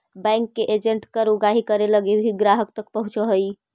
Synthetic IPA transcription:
baŋkːeʔed͡ʒeɳʈkəɾuɡaɦikəɾeləɡebʱiɡɾaɦək̚t̪əkpəɦut͡ʃəɦəj

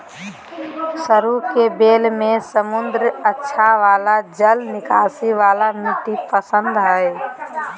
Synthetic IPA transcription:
səɾukebeːlmẽsəmʊnd̪ɾətːʃʰaʋaːlad͡ʒəlnɪkaːsiʋaːlamiʈipəsə̃nd̪ɦəj

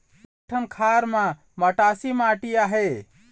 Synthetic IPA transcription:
ʈʰənkʰaɾma | məʈasimaʈijaɦe

